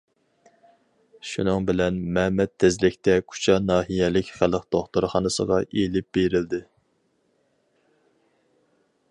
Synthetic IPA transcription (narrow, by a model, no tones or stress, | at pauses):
ʃunɨŋbɪlɛnmɛmɛt̪ʰːɪzlɪkʲt̪ɛkʲʰu̥t͡ʃʰɑnɑːɦijɛlɪkʲχælˠəqd̪̥oχt̪uɾχɑnɨsə̰ʁɑʔelɪp̚b̥eɾɪld̪ɪ